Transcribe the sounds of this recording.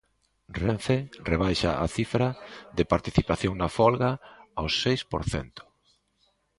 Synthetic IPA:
reɱfereβ̞ajʃa̰ʔa̰θifɾaðɪpaɾt̪iθipaθjoŋnafɔlɣaːwsejspoɾθɛ̰nt̪ʊ̥

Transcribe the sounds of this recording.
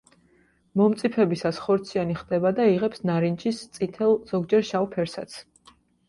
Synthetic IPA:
mɔmt̪sʼipʰɛbisasχɔɾt̪sʰianiχd̪̥ɛbad̪aiʁɛpsnaɾint͡ʃist̪sʼit̪ʰɛlˠz̥ɔɡd͡ʒɛɾʃaupʰɛɾsa̰t̪sʰ

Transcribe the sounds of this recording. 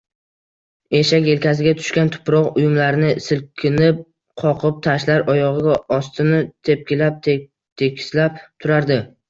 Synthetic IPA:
e̞ʃakʲe̞lkʲʰasɪɡʲat̪ʰʊ̥ʃkʲant̪ʰʊ̥pɾɒqʊjʊmlaɾnɪsɪlkʲʰɪnɪp̚ | qʰɒqʰɨp̚t̪ʰaʃlaɾʔɒjɒʁɨɡʲaɒst̪ʰɪnɪt̪ʰe̞p̚kʲɪlap̪̚ | t̪ʰe̞kʲʰɪ̥slap̚t̪ʰʊɾaɾd̪ɪ

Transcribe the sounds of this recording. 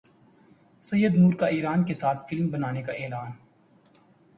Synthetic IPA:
sɐjːəd̪nuːɾkaiːɾaːnkesaːt̪ʰfɪlmbɐnaːnekaʔeːlaːn

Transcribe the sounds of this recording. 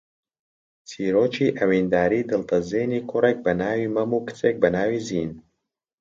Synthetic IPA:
t͡sʰiːɾoːt͡ʃʰiːʔɐwiːnd̪aːɾiːd̪ɨlt̪ɐzeːniːkʰʊrek̚bɐnaːwiːmɐmuːkɨ̥t͡seːk̚bɐnaːwiːziːn

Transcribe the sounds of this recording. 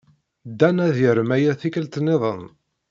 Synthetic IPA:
d̪ːænæðjəɾəmæjæθikəlt̪neðˤən

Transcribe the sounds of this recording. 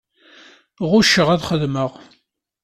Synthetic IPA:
ʁʊʃəʁæðχəðməʁ

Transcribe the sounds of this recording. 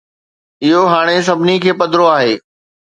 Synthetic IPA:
ɪɦoɦaːɽ̃es̬ɐbʱɪnikʰeːpɐd̪ʱɾoaːɦeː

